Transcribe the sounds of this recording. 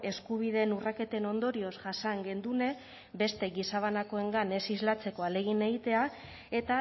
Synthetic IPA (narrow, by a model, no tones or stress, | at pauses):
e̞skuβ̞iðe̞nurake̞t̪e̞no̞nd̪o̞ɾio̞zʝasaŋɡe̞nd̪une̞ | be̞st̪e̞ɣisaβ̞anako̞e̞ŋɡane̞sizlat͡se̞ko̞ale̞ɣ̞ine̞ɣit̪e̞a | e̞t̪a